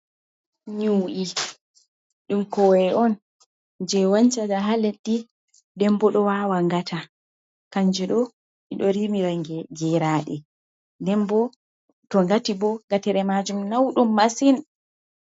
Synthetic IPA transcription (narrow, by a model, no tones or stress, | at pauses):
ɲuːʔi | ɗumkɔwɛʔɔn | d͡ʒɛwaɲt͡ʃadaɦaleɗːi | dɛmbɔɗɔwawaŋɡatʰa | kaɲd͡ʒiɗɔ | ʔiɗɔɾimiɾaŋɡɛd͡ʒɛɾaːɗɛ | dɛmbɔ | tɔŋɡatibɔŋɡatɛɾɛmad͡ʒumnawɗumːasin